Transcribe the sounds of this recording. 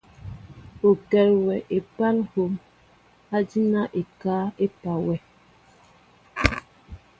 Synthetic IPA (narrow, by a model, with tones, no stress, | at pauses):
o˨kɛ˨lwɛ˨ʔe˨pa˦lho˨m | a˦di˦na˦ʔe˨kaː˦e˦pa˨wɛ˨